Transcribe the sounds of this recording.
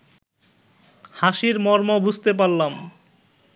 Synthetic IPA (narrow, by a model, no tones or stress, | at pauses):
haʃiɾmɔɾmobud͡ʑʱt̪epaɾlam